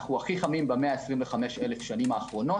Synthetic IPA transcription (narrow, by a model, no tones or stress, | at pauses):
χuaχiχamimbameaesʁimveχameʃelefʃanimaːχʁo̞no̞